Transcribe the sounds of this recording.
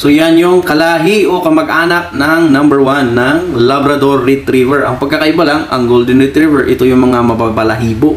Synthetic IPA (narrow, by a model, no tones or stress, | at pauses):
so̞janjʊŋkɐlaːɦiʔo̞kɐmɐɡʔaːnɐk̚nɐŋnɐmbɛɹwanːɐŋlɐbɾɐd̪o̞ɾːɪt̪ɾiːvɛɹʔɐŋpɐɡ̚kɐkɐʔɪbɐlaŋɐ̰ŋɡold̪ɪnɾɪt̪ɾivɛɹʔɪt̪o̞jʊŋmɐŋamɐbabɐlɐɦiːbo